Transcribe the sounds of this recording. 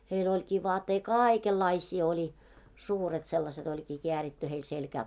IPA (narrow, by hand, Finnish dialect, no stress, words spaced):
heil olʲkiː ʋɑːtːei kɑːikelːɑisʲiː olʲi suːret selːɑset olʲkiː keæritːy heil selkæː